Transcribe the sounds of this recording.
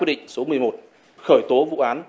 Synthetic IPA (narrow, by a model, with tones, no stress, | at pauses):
i˧˩ɗḭ˧˨ŋ̟so˨˦mɨ˨˩əjmo˨˩t̚ | xəː˧˩jt̪o˨˦vṵ˧˨ʔaː˨˦n